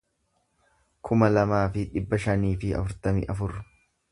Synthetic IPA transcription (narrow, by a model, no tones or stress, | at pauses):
kʰʊmɐlɐmaːfɪᶑɪbːɐʃɐniːfɪɐ̰fʊɾt̪ɐmɪ̰ʔɐfʊɾ